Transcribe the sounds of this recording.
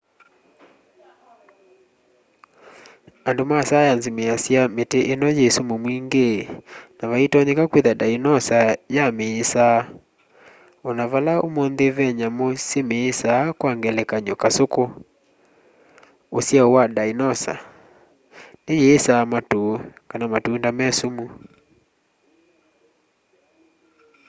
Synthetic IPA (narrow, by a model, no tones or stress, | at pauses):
andomasajanzimeasjameteʔenɔjesomomwiŋɡenaβaitɔɲekakweðadainɔsajameːsa | ɔnaβalaomɔnðeβɛɲamosemeːsaːkwaŋɡɛlɛkaɲɔkasoko | osjaowadainɔsa̰ | nejeːsamatokanamatundamɛsomu